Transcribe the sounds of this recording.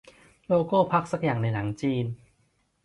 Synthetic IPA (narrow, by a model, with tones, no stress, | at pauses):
loː˧koː˥˩pʰa˦˥k̚sa˦˥k̚jaː˨˩ŋna˧jla˩˦ŋt͡ɕiː˧n